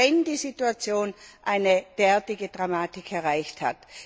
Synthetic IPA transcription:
ɛndiːzituat͡sjoːnʔaɪnəd̥ɛɐtɪɡədʁamaːtɪkʰɛɐʁaɪçtha̰t

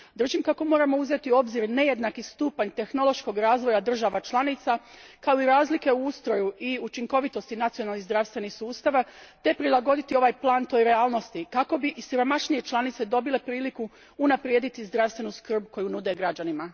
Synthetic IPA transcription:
d̪ɾ̩ʒimkako̞mo̞ːɾamo̞uze̞t̪iuo̞bziɾne̞je̞d̪nakist̪uːpaɲt̪e̞xno̞lˠo̞ʃko̞ɡɾaːzʋo̞jad̪r̩ʒaʋat͡ʃlˠanit̪sakao̞iɾaːzlike̞uust̪ɾo̞juiut͡ʃiŋko̞ʋit̪o̞st̪inat̪sijo̞nalnizd̪ɾaʋst̪ʋe̞nixsuːst̪aʋat̪e̞pɾilˠaɡo̞d̪it̪io̞ʋaːjplˠaːnt̪o̞ːjɾe̞aːlˠno̞st̪ikako̞biʔisiɾo̞maʃnije̞t͡ʃlˠanit̪se̞d̪o̞bile̞pɾiːlikuː | napɾjeːd̪it̪izd̪ɾaːʋst̪ʋe̞nuskr̩bko̞junud̪eɡɾad͡ʑanima

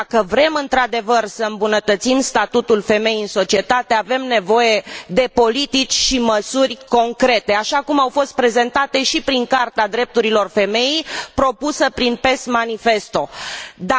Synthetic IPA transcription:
kəvɾe̞mɨnt̪ɾad̪e̞vərsəɨmbunət̪ət̪simst̪at̪ut̪ulfe̞me̞jiɨnso̞t͡ʃie̞t̪at̪e̞ave̞mne̞vo̞je̞d̪e̞po̞lit̪it͡ʃʲʃiməsurʲko̞ŋkɾe̞t̪e̞aʃakumawfo̞st̪̚pɾe̞ze̞nt̪at̪e̞ʃipɾiŋkart̪ad̪ɾe̞p̚t̪uɾilo̞rfe̞me̞jijpɾo̞pusəpɾinpe̞st̪manife̞st̪o̞d̪a

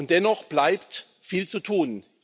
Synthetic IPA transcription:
ʊnt̚d̥ɛnɔχb̥laɪpt | fiːlt͡sutʰuːn

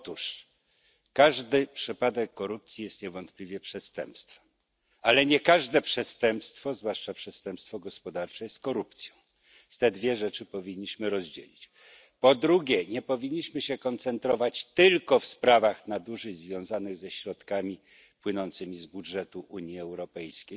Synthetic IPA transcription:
ɔt̪uʂ | kaʐd̪ɘpʂɘpad̪ɛkːɔɾup̚t̪sʲjijɛst̪ɲɛvɔnt̪̚plʲivʲjɛpʂɛst̪ɛ̰mpst̪fɛ̥m | alɛɲɛkaʐd̪ɛpʂɛst̪ɛmpst̪fɔzvwaʂt͡ʂapʂɛst̪ɛmpst̪fɔɡɔspɔd̪aɾt͡ʂɛjɛst̪̚kɔɾup̚t̪sʲjɔ̃w̃ | st̪ɛd̪vʲjɛʐɛt͡ʂɘpɔvʲiɲːiɕmɘɾɔzd͡ʑɛ̰lʲit͡ɕ | pɔd̪ɾuɡʲɛɲɛpɔvʲiɲːiɕmɘɕɛkɔnt̪sɛnt̪ɾɔvat͡ɕt̪ɘlkɔfspɾavaxnad̪uʐɘzvʲjɔ̃w̃zanɘɣzɛɕɾɔt̪kamʲi | pwɘnɔnt̪sɘmʲizbudʐɛt̪uʔuɲiɛwɾɔpɛjskʲej

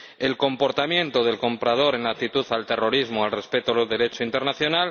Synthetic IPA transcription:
e̞lko̞mpo̞ɾt̪amjẽ̞nt̪o̞ðe̞lko̞mpɾað̞o̞ɾe̞nak̚t̪it̪uθalt̪e̞ro̞ɾizmoalre̞spe̞t̪oloðe̞ɾe̞t͡ʃoint̪e̞ɾnaθjo̞nal

